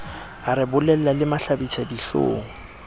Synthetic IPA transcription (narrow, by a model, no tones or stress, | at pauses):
aɾɪbʊlɛl̩lalɪmaɬabit͡sʰadiɬo̰ːŋɔ